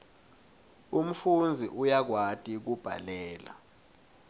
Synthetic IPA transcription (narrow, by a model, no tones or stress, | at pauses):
um̩fund͡zʱiʔujak̬watʼik̬ub̥ʱa̰lɛːla̰